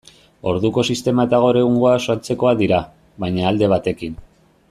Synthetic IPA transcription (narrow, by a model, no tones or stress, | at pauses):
o̞ɾðuko̞sist̪e̞maet̪aɣ̞o̞ɾe̞ɣuŋɡo̞asoat͡se̞ko̞aðiɾa | βajɲaːld̪e̞β̞at̪e̞kin